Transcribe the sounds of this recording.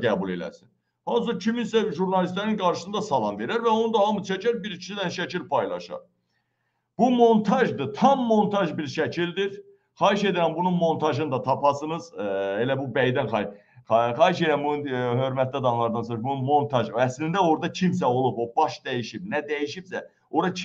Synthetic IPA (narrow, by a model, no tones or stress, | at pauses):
ɡæːbule̞læ̰sin | hɑns̬ɯcʰiminsæʒuɾnɑlist̪læɾinɡɑɾʃɯ̥sɯnd̪ɑsɑlˠɑnve̞ɾæɾvæo̞nud̪ɑhɑmɯt͡ʃʰæcæɾbiɾit͡ʃʰi̥sid̪ænʃæcʰilpʰɑjlˠɑ̰ʃɑ̰ɾ | b̥umo̞nt̪ʰɑʒd̪ɯt̪ʰɑmːo̞nt̪ʰɑʒbiɾʃæcʰild̪iɾ | χɑɦiʃe̞d̪æɾænbununmo̞nt̪ʰɑʒɯnd̪ɑt̪ʰɑpʰɑsɯnɯz̥e̞læbubæjd̪ænχɑ | χɑːɦiʃe̞d̪ɾænbununɦø̞ɾmæt̪ʰlid̪ɑnlˠɑɾd̪ɑnsoɾbununmo̞nt̪ʰɑʒæslind̪æo̞ɾd̪ɑcʰims̬æo̞lˠupo̞bɑʃd̪æjiʃib̚næd̪æjiʃibsæ | oɾɑ